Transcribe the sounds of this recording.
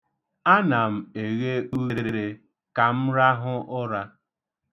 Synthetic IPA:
a˦na˨m̩˨e˨ɣe˦u˦e˦ɾe˦ɾe˦ɾe˨ | ka˨m̩˦ɾa˦ɦʊ˦ʔʊ˦ɾa˦

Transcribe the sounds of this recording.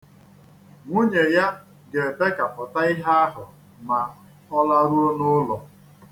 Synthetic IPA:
ŋʷu˦ɲe˨ja˦ | ɡe˨be˦ka˨pʊ˨ta˦ɪ˦ɦa˦a˦ɦʊ˨ | ma˨ | ɔ˦la˦ɾu˦o˦nʊ˦lɔ˨

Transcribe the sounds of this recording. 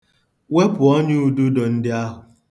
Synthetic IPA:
we˦pʊ˨ɔ˦ɲ˦u˦du˦dɔ˨n̩˦dɪ˦a˦ɦʊ˨

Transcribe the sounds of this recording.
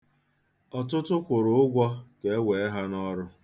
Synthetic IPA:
ɔ˨tʊ˦tʊ˦kʷʊ˨ɾʊ˨ʊ˦ɡʷɔ˦ke˨e˦we˨e˦ɦa˦nɔ˦ɾʊ˦

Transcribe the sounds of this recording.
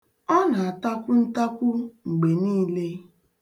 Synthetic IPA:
ɔ˦na˨a˨ta˦kʷʊ˦n̩˦ta˦kʷʊ˦ŋ͡m̩˨ɡ͡be˨niː˦le˦

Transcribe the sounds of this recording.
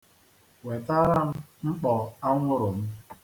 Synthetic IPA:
we˨ta˦ɾa˦m̩˦ŋ͡m̩˦k͡pɔ˨a˦ŋʷʊ˦ɾʊ˨m̩˦

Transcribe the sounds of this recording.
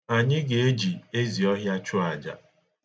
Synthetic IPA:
a˨ɲɪ˦ɡe˨e˦d͡ʒi˨e˦zi˨ɔ˦ɦja˦t͡ʃʊ˦a˨d͡ʒa̰˨

